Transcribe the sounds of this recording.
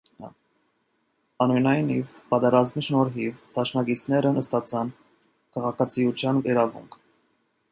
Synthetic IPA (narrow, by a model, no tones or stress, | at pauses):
ɑnujnɑjnivpɑt̪ɛɾɑzmiʃnɔɾɦivd̪̥ɑʃnɑɡit͡sʰnɛɾənəst̪ɑt͡sʰɑn | kʰɑʁɑkʰɑt͡sʰijut͡sʰjɑniɾɑvṵŋkʰ